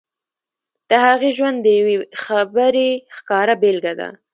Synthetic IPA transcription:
d̪̥əhaɣeʒwand̪ːəjawexabəɾexkɑɾabelɡad̪a̰

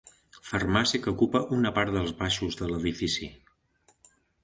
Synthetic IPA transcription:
fərmasiəkəukupəʔunəpaɾt̪ðəlˠzβaʃuzðələðifisḭ

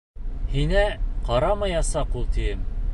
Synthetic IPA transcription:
hinæqɑɾɑmɤjɑsɑqulˠt̪ijɘm

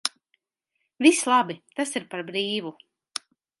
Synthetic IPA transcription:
vislˠabit̪asiɾpaɾbɾiːvu

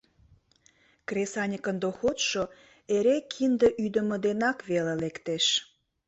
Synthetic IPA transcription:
kresɑnʲəkənd̪oxot̪ʃo | eɾekʰind̪əʔyd̪ə̆məd̪enɑkβelelekt̪eʃ

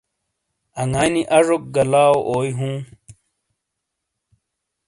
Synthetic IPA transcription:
ɐŋaːniʔɐʐok̚ɡɐlaːoʔoːjɦũː

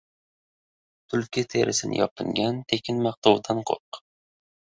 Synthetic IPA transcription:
t̪ʰʊlkʲɪt̪ʰeɾʔɪsɪnɪ̰jɒpʰɪŋɡʲant̪ʰekʲʰɪnmɑq̚t̪ʰɒwd̪anqʰoq

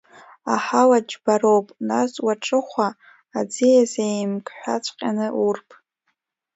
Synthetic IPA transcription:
a̰ħawad͡ʒbaɾowpʼnaswaʈ͡ʂʼɨχʷaː | d͡zijazejmkʰʼħʷᶣat͡ɕʷʰʼqʲʼanɨʔurpʼʰ

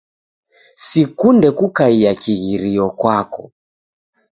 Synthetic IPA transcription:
sikundɛkukaiakiɣiɾiɔkwakɔ

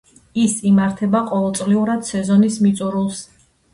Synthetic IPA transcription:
isimaɾt̪ʰɛbaqʼɔvɛlˠt̪sʼliuɾad̪̥sɛzɔnismit̪sʼuɾulˠs

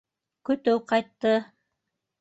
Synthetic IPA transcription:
kɵ̆t̪ɵwqɑjt̪ːɤ

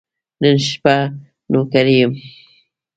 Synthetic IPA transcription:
nənʃpa | nokaɾijəm

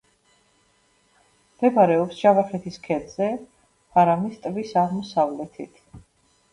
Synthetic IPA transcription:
md̪ɛbaɾɛɔpsʒavaχɛt̪ʰiskʰɛd̪z̥ɛ | pʰaɾamist̪ʼvisaʁmɔsavlɛt̪ʰit̪ʰ

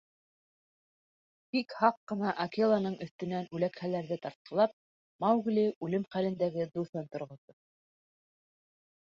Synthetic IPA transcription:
bikhɑqːɤ̆nɑʔɐkelˠɑnɤɴɵ̆θt̪ɵ̆nænʉlækχælæɾðɘt̪ɑɾt̪̚qʰɑlˠɑp̚ | mɑwɣliʉlɘmχælɘ̆nd̪æɡɘd̪uθɤnt̪ŏɾʁŏðɤ

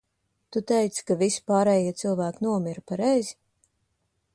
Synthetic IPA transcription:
t̪ut̪ɛjt̪skavisi̥paːɾɛːjiɛt̪silˠvæːknuɔmiɾpaɾɛjz

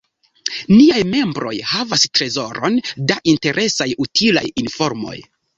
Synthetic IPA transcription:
niajme̞mbɾo̞̰jhavastɾe̞zo̞ɾo̞ndaʔinte̞ɾʔe̞sajutʰila̰jinfo̞ɾmo̞̰j

